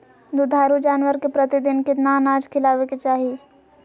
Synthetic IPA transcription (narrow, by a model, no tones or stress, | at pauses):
d̪ud̪ʱaːɾud͡ʒaːnwəɾkepɾət̪ɪd̪ɪnkɪt̪naːnaːd͡ʒkʰɪlaːʋeket͡ʃaːɦi